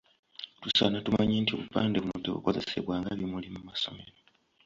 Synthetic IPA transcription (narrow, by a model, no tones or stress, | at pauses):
tusanatumaɲeːntioβupaːndeβunudeβṵko̞ze̞se̞̰βwaːŋɡaβjimulimumaso̞̰meɾo